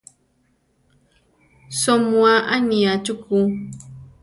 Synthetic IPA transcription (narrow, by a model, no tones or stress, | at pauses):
somuaʔaniat͡ʃuku